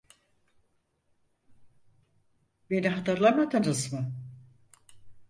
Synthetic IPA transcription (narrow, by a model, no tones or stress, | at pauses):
be̞niɦat̪ɯɾlˠamad̪ɯnɯzmɯ